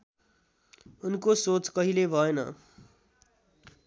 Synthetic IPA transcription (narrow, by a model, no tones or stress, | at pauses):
unkosot͡skʌɦilebʱʌenʌ̰